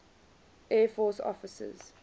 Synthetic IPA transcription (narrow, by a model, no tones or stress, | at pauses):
ʔɛːfɔːsɔ̰fɪsə̰z̥